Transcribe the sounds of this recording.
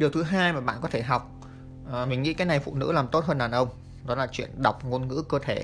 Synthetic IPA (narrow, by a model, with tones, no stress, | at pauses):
ɗi˨˩əwt̪ʰɨ˨˦ɦaː˧jmaː˨˩ɓa̰ː˧˨nkɔ˨˦t̪ʰe˧˩ɦa˨˩wk͡p̚ː | mï˨˩ŋ̟ŋḭ˧˥kaː˨˦jna˨˩jfṵ˧˨nɨ̰˧˥laː˨˩mt̪o˦˥t̚ɦəː˧nɗaː˨˩nʔə˧wŋ͡m | ɗɔ˨˦laː˨˩t͡ɕwḭ˧˨ənɗa˨˩wk͡p̚ŋo˧nŋɨ̰˧˥kəː˧t̪ʰe˧˩